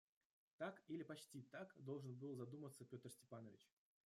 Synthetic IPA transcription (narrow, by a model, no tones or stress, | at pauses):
t̪akilʲɪpɐt͡ɕtʲit̪akd̪o̞lˠʐɨnbɨlˠzɐd̪umət̪səpʲo̞t̪rsʲtʲɪpanəvʲɪ̰t͡ɕ